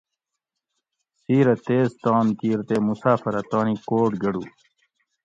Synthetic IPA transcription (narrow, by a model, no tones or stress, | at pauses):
siːɾɐt̪eːzt̪aːnt̪iːɾt̪emusaːfɐɾɐt̪aːnikoːʈɡɐɽu